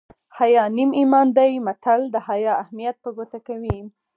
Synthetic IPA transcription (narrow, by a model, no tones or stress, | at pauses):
hajɑnimimɑnd̪ajmat̪ald̪əhajɑahmijat̪̚pəɡot̪akawi